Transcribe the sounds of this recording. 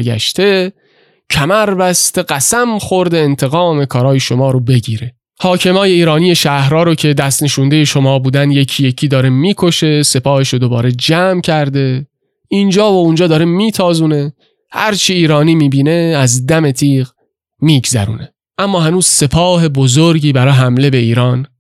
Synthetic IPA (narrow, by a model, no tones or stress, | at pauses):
ɡæ̰ʃt̪ʰe̞ | cʰæmæɾbæst̪e̞ɢæsæmxoɾd̪e̞ːnt̪ʰe̞ɣɒːme̞kʰɒːɾɒːjeʃo̞mɒːɾobe̞ɟiːɾe̞ | hɒːcʰe̞mɒːje̞iːɾɒːniːje̞ʃæhɾɒːɾocʰe̞d̪æst̪ne̞ʃund̪e̞je̞ʃo̞mɒːbuːd̪ænd̪je̞cʰijecʰiːd̪ɒːɾe̞miːkʰo̞ʃe̞se̞pʰɒːhe̞ʃod̪o̞bɒːɾe̞d͡ʒæmcʰæɾd̪e̞ | ind͡ʒɒːvound͡ʒɒːd̪ɒːɾemiːt̪ʰɒːzuːne̞ | hæɾt͡ʃʰiiːɾɒːniːmiːbiːne̞æzd̪æme̞t̪ʰiːʁ | miːɡzæ̰ɾṵːne̞ | ʔæmːɒːhænuːz̥se̞pʰɒːhe̞bozoɾɟiːbæɾɒːɦæmle̞be̞iːɾɒːn